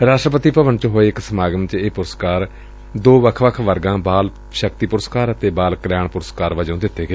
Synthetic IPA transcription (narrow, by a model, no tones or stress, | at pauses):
ɾaːsʃʈɾəpət̪iːpəʋənt͡ʃɦoːeːɪksəmaːɡəmt͡ʃeːpʊɾəskaːɾ | d̪oːʋəkʰʋəkʰʋəɾɡãːbaːl | ʃəkt̪iːpʊɾəskaːɾət̪eːbaːlkəljaːɳpʊɾəskaːɾʋəd͡ʒõːd̪ɪt̪ʰːeːɡeː